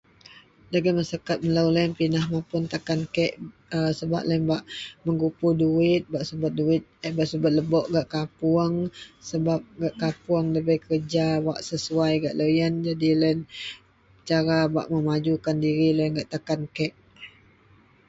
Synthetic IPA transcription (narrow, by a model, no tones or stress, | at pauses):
laɡamasakat̪̚məlawlaənpinahmapʊnt̪akankɛʔ | əsəba̰ʔlanbaʔməŋɡupuduɪt̪̚baʔsəbat̪̚duɪt̪̚baʔsəbat̪̚ləbɔʔɡaʔkapuəŋsəbap̚ɡaʔkapuəŋləbajkərd͡ʒawa̰ʔsəsuajɡa̰ʔlojənd͡ʒadilən | t͡ʃaɾaba̰ʔməmad͡ʒukandiɾiləjənɡaʔt̪akankɛʔ